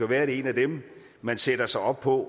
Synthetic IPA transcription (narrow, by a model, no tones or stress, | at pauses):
æʋæːɐ̥e̝næd̥em | mænsed̥ɐsɑ̈ɪɒ̽b̥̚pʰɒ̽